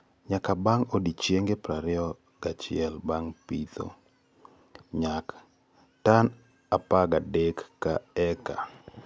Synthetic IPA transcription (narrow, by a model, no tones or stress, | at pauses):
ɲakabaŋodit͡ʃjeŋɡepɾaɾɪɔ | ɡ̥at͡ʃɪ̰ɛlbaŋpit̪o̰ | ɲak | tan | apaɡadekːaɛka̰